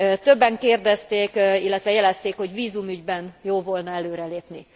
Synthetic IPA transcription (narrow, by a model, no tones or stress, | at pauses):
t̪ø̞bːɛŋkeːrd̪ɛst̪eːkilːɛt̪ʋɛjɛlɛst̪eːkho̞ɟʋiːzumyɟbɛnjoːlvolnɒɛløːɾɛleːpni